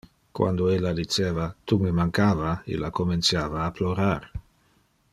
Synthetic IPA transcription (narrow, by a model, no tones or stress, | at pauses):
kwa̰nd̪oelːad̪it͡seːvat̪umemaŋkaːvaḭlːakoment̪t͡sjaːvaːploɾar